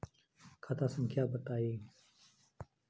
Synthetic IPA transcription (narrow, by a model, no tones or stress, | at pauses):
kʰat̪ʰãːsəŋkʰjaːbət̪aːiː